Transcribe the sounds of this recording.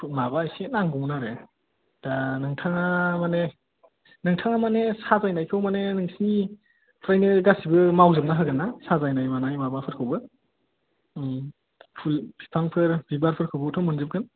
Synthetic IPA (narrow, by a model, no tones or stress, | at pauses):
mabajsenaŋɡɔwnaɾe | d̥anɯŋtʰaŋamane | nɯŋtʰaŋamanesazajnajkʰɯwmanenɯŋsini | pʰɾajnɯɡasibɯmawzɯp̚naɦɯɡɯnːasazajnajmanajmabapʰɯɾkʰɯwbɯ | pʰulbʰipʰaŋpʰɯɾbibaɾpʰɯɾkʰɯwbɯtʰɔmɯnzɯp̚ɡɯn